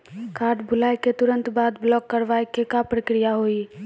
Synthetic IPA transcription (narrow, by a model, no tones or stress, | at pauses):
kaɾɖbʱulajket̪uɾə̃nt̪bad̪blɔkːəɾʋajkekapɾəkɾijaɦoi